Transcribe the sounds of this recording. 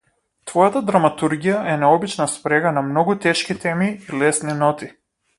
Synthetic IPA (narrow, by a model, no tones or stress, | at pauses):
t̪vɔjat̪ad̪ɾamat̪uɾɡijaʔɛnɛɔbit͡ʃnaspɾɛɡanamnɔɡut̪ɛʃkit̪ɛmiːlɛsninɔt̪i